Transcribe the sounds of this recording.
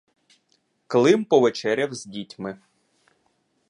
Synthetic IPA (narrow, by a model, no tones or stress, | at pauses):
klˠɪmpɔʋet͡ʃɛɾʲɐwzʲdʲitʲmɪ